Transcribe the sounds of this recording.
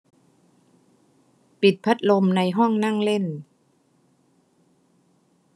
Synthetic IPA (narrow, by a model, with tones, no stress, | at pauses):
pi˨˩t̪̚pʰa˦˥t̪̚lo˧mna˧jɦɔ˥˩ŋna˥˩ŋle˥˩n